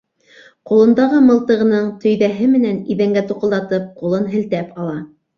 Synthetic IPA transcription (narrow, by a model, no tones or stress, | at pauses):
qulˠɤ̆nd̪ɑʁɤmɤ̆lˠt̪ɤ̆ʁɤ̆nɤɴt̪ɵ̆jðæɦɘmɘ̆næniðæŋɡæt̪uqɤ̆lˠd̪ɑt̪ɤp̚qulˠɤnɦɘ̆lt̪æpʰɑlˠɑ